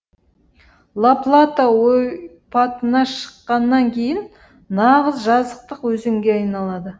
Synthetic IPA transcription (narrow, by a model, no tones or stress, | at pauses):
lˠaplˠat̪awoj | pʰɑt̪ənɑʃə̥qːɑnːɑŋkʲʰe̞jɪn | nɑʁəzʒɑzəq̚t̪əqwɵzɪŋɡʲe̞ɑjnɑlˠɑd̪ə